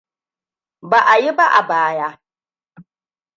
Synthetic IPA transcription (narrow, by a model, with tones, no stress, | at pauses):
ba˨ʔa˨ji˦ba˦ʔa̰˨baː˦jaː˦